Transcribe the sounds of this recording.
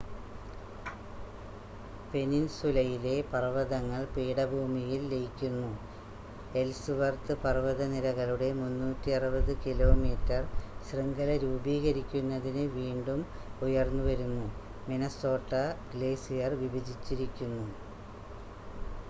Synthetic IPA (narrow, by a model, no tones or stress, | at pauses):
pe̞ninsulɐjile̞pɐrɐʋɐðɐŋːɐɭpiːɽɐbʱuːmijilːejikʲːunːu | e̞lsɨʋɐrt̪ɨpɐrʋɐðɐniɾɐɣɐluɽe̞munːuːtːiɐrɨbɐðɨkilo̞ːmiːtːɐrɕriŋɡɐlɐɾuːbiːɣɐɾikʲːunːɐðinɨʋiːɳɖum | ujɐrnːuʋɐɾunːu | menɐso̞ːʈːɐɡle̞ːsijɐrʋibɐd͡ʑit͡ɕːiɾikʲːunːu